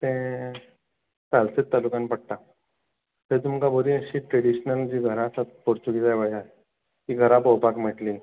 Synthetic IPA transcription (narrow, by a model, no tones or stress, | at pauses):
t̪ɛ̃ | talset̪ːalukãnpəɽ̚t̪a | t̪et̪̬umkaboɾĩəɕiʈɾeɽiɕnəld͡ʑiːɡʱəɾãsat̪poɾt͡ɕuɡid͡zajbʱaja | kiɡʱəɾãpɔwpakm̤eʈlĩ